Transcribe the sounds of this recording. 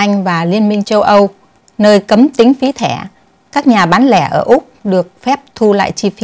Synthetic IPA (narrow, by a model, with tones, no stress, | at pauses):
ʔa˧jŋ̟vaː˨˩li˧ənmï˧ŋ̟t͡ɕə˧wʔə˧w | nəː˧jkə˨˦mt̪ï˨˦ŋ̟fi˨˦t̪ʰɛ˧˩ | kaː˦˥k̚ɲaː˨˩ɓaː˨˦nlɛ˧˩ʔəː˧˩ʔʊ˦˥k͡p̚ɗɨ˨˩ək̚fɛ˦˥p̚t̪ʰu˧la̰ː˧˨jt͡ɕi˧fi˨˧˦